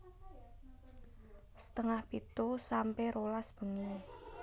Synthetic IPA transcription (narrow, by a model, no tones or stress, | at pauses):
sə̥t̪əŋahb̥it̪usampɛɾʔolasb̥ə̤ŋe